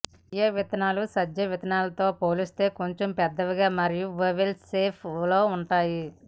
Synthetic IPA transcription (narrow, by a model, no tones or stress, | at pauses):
jɐʋit̪ɐnaːlusɐd͡ʒɐʋit̪ɐnaːlɐt̪o̞ːpoːlist̪e̞ːko̞ɲt͡ʃompɛd̪ːɐʋiɡaːmɐɾijuʋɐʋelseːpʰlo̞ːuɳʈaːji